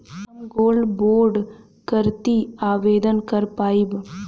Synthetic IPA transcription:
nɡoːlɖboːɾɖ | kəɾt̪iaːʋeːd̪ənkəɾpaːib

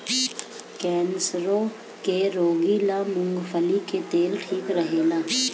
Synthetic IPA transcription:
kɛːnsɾõ | keɾoːɡilamʊ̃ŋɡfʰəliket̪eːlʈʰiːkɾəɦeːlaː

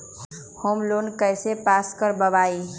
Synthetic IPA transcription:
homlonkəjsepaskəɾbəbai

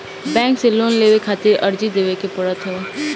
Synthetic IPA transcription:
bɛ̃ːŋkseloːnleːʋekʰaːt̪ɪɾʔəɾd͡ʒid̪eːʋekepəɽət̪ʰo

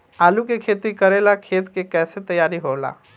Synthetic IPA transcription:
alukekʰet̪ikəɾelakʰet̪kekɛːset̪əjaɾiɦola̰

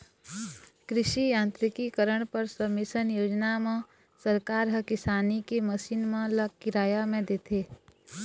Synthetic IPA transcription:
kɾɪʃijãːnt̪ɾɪkikəɾəɽ̃pəɾsəmɪsənjoːd͡ʒnamẽ | səɾkaːɾɦɐkɪsaːnikeməʃiːnmẽləkɪɾaːjamẽd̪eːt̪ʰeː

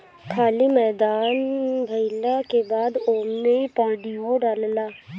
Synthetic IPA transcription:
kʰaːlimɛːd̪aːnbʱəɪlakebaːd̪oːmẽpãːɖiõɖaːllaː

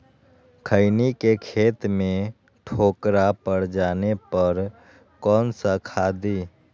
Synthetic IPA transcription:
kʰəɪnikekʰeːt̪mẽ | ʈʰoːkɾapəɽd͡ʒaːnepəɾ | kɔːnsəkʰaːd̪iː

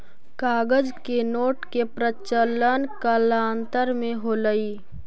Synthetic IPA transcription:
kaːɡəd͡ʒkenoːʈkepɾət͡ʃələnkəlaːnt̪əɾmẽɦoːləiː

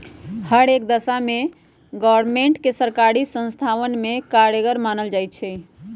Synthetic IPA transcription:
həɽekd̪əsame | ɡɔəɾmeɳʈkesəɾkaɾisə̃nst̪ʰaʋənmekaɾjəɡəɾmanəld͡ʒajt̪̚t͡ʃʰɛ

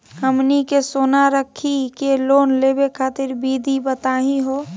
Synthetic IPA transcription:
ɦəmnikesoːnaɾəkʰːikeloːnleːbekʰaːt̪ɪɾbid̪ʱibət̪aːɦĩɦo

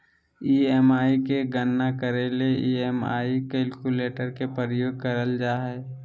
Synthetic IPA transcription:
iɛmaːikeɡənːakəɾeleiːɛma̰ːikɛlkuleːʈəɾkepəɾəjoːɡ̚kəɾəld͡ʒaːɦɛː

